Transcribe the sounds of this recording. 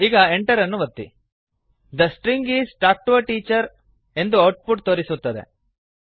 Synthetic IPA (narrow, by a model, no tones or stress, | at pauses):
iːɡɐeɳʈɐɾɐnːuʋɐt̪ːḭ | d̪ɐsʈɾiŋɡiːzʈaːk̚ʈʋɐʈiːt͡ʃɐɾ | e̞nd̪uɐwʈ̚puʈ̚t̪oːɾisut̪ːɐd̪e̞̰